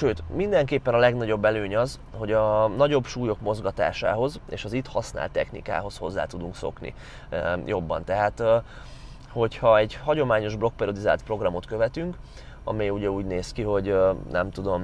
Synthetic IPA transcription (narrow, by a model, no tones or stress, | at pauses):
ʃøːt̪mind̪ɛŋkeːpːɛnɒlɛɡnɒɟo̞bːɛløːɲɒz | ho̞ɟɒnɒɟo̞bʃuːjo̞kmo̞zɡɒt̪a̰ːʃa̰ːɦo̞zḛːʃɒzit̪hɒsna̰ːlt̪ːɛxnḭka̰ːɦo̞sho̞zːa̰ːt̪ud̪uŋkso̞̰knḭ | jʔo̞bːɒ̰nt̪ɛɦaːt̪ | ho̞chɒɛɟhɒɟo̞maːɲo̞ʒblo̞k̚pɛriod̪iza̰ːlt̪̚pro̞ɡrɒmo̞t̪kø̞vɛt̪yŋk | ɒ̰mɛjuɟɛuːɟneːskiɦo̞ɟnɛ̰mt̪ud̪o̞m